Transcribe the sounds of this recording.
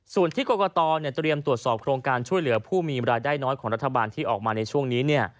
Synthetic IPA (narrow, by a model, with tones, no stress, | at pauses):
su˨˩ənt̪ʰiː˥˩koː˧kɔ˧t̪ɔː˧ni˥˩t̪ɾi˧əmt̪ɾu˨˩ət̪̚sɔː˨˩p̚kʰɾoː˧ŋkaː˧nt͡ɕʰu˥˩jlɯ˩˦pʰuː˥˩miː˧ɾaː˧jdaː˥˩jnɔː˦˥jkʰɔː˩˦ŋɾa˦˥t̪ʰːa˧baː˧nt̪ʰiː˥˩ʔɔ̰ː˨˩k̚maː˧na˧jt͡ɕʰu˥˩əŋniː˦˥ni˥˩ɐ